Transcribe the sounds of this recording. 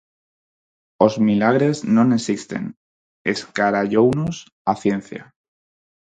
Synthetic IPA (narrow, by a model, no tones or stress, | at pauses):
o̞zmilaɣ̞ɾe̞znõnesist̪e̞̰n | ḛskaɾaʎownos | aθje̞n̟θja̰